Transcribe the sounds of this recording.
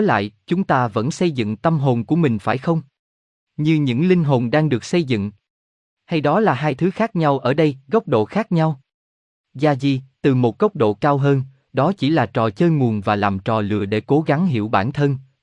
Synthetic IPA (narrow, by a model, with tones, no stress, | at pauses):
la̰ː˧˨jt͡ɕʊ˨˦ŋ͡mt̪aː˧və̰˧˥nsə˧jzɨ̰˧˨ŋt̪ə˧mɦo˨˩nku˧˩əmï˨˩ŋ̟faː˧˩jxə˧wŋ͡m | ɲɨ˧ɲɨ̰˧˥ŋlï˧ŋ̟ɦo˨˩nɗaː˧ŋɗɨ˨˩ək̚sə˧jzɨ̰˧˨ŋ | ha˧jɗɔ˨˦laː˨˩ɦaː˧jt̪ʰɨ˨˦xaː˦˥k̚ɲa˧wʔəː˧˩ɗə˧jɣə˦˥wk͡p̚ɗo̰˧˨xaː˦˥k̚ɲa˧w | zaː˧zi˨˩t̪ɨ˨˩mo˨˩t̚ɣə˦˥wk͡p̚ɗo̰˧˨kaː˧wɦəː˧n | ɗɔ˨˦t͡ɕi˧˩laː˨˩t͡ɕɔ˨˩t͡ɕəː˧jŋu˨˩ənvaː˨˩laː˨˩mt͡ɕɔ˨˩lɨ̰˧˨əɗe˧˩ko˨˦ɣa˨˦ŋɦḭ˧˩əwɓaː˧˩nt̪ʰə˧n